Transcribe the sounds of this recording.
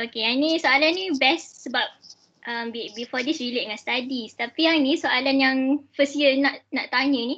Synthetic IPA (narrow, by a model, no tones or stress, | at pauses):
okeanĩsoalanːĩbɛssəbap̚ | ʔəmbibifɔdisileʔ̚ŋãnst̪adist̪apiaŋnĩsoʔalanjaŋfəsjənaʔnaʔt̪aɲə̃nĩ